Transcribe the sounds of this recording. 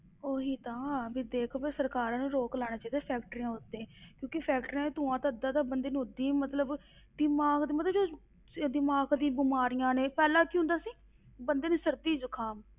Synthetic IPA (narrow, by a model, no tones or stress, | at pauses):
oːɦiːt̪ãːbiːd̪eːkʰobesəɾkaːɾãːnũːɾoːklaːɽ̃aːt͡ʃaːid̪eːpʰɛːk̚ʈəɾãːʊt̪ːẽːkjõːkepʰɛːkʈɾːt̪ʊãːt̪aːd̪ãːt̪aːbənd̪eːnũɦʊd̪iːmət̪ləb | d̪ɪmaːɡd̪iːmət̪ləbd͡ʒo | d̪ɪmaːɡd̪ĩːbɪmaːɾijãːnẽːpɛːlãːkiːɦʊ̃nd̪aːsiː | bənd̪eːnũːsəɾd̪iːzʊkʰaːm